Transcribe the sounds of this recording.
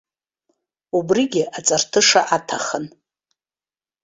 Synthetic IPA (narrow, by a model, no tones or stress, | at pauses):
ubriɡʲɪʔat͡sʼartʰɨʂaʔatʰaχən